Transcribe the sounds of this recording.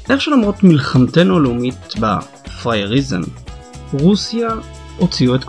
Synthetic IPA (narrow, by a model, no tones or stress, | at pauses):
ʔeχʃelamʁo̞tmilχamtenolumitba̰ | fʁajeʁizḛm | ʁusja | ot͡siuetk